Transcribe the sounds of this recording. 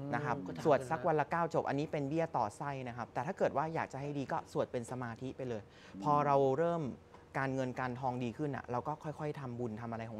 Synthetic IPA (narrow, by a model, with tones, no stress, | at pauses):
na˦˥kʰɾa˦˥p̚su˨˩ət̪̚sa˦˥k̚wa˧la˦˥kaː˥˩wt͡ɕo˨˩p̚ʔa̰˧nːiː˦˥pe˧nbi˥˩ət̪ɔː˨˩sa˥˩jna˦˥kʰa˦˥p̚t̪ɛː˨˩t̪ʰaː˥˩kɤː˨˩t̪̚waː˥˩jaː˨˩k̚t͡ɕa˨˩ɦa˥˩jdiː˧kɔː˥˩su˨˩ət̪̚pe˧nsa˧maː˧t̪ʰi˦˥pa˧jlɤː˧j | pʰɔː˧ɾa˧wɾɤː˥˩mkaː˧nŋɤ˧nkaː˧nt̪ʰɔː˧ŋdiː˧kʰɯ˥˩nʔa̰˨˩ɾa˧wkɔː˥˩kʰɔ˥˩jkʰɔ˥˩jt̪ʰa˧mbu˧nt̪ʰa˧mʔa˧ɾa˧jkʰɔ˩˦